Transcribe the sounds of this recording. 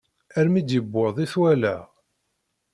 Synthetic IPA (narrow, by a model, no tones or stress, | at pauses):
æɾmid̪jəbːoðˤiθwælæ